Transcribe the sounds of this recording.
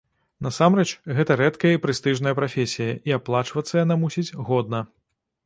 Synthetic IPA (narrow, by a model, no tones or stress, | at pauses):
nɐsamɾɛt͡ʂɣɛt̪ɐɾɛt̪kɐjɐipɾɨst̪ɨʐnɐjɐpɾafʲesʲijɐʔiaplˠat͡ʂvɐt̪sːɐjanamusʲid͡zʲɣɔd̪̚nɐ